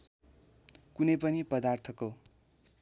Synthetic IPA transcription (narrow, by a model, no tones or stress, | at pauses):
kunʌjpʌnipʌd̪art̪ʰʌko